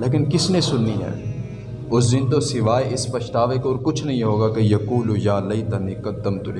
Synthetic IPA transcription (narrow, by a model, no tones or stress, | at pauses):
leːk̬ɪnkɪsnẽsʊnːiɦɛ̰ː | ʊsd̪ɪnt̪̬osɪʋaːeʔɪspɐʃʈ̪aːʋekoːɾkʊt͡ʃʰnɐɦĩɦoːɡakejɐkuːlujaːlɐit̪ɐnikɐd̪ːɐmt̪ʊle